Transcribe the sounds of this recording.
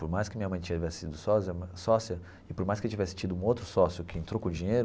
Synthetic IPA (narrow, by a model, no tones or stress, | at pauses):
poɾmajskɪmĩɲɐmɐ̃j̃t͡ʃĩɲɐt͡ʃivɛsɪ̥sid̪ʊsɔsiɐmɐsɔsiɐ | ɪpoɾmajskewt͡ʃivɛsɪ̥t͡ʃid̪ʊũowt̪ɾʊsɔsjʊkɪẽnt̪ɾowkõd͡ʒĩɲejɾʊ